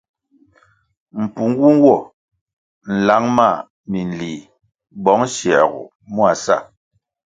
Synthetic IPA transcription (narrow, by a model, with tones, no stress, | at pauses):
m̩˨pu˨ŋ˦ɡu˦ŋ˦wɔ˦˨ | n̩˨la˨˦ŋma˦˨ | mi˨n̩˨liː˨ | bɔ˨˦ŋ˦ʃɛ˨ɣṵ˨ | mu˦a˨sa̰˦˨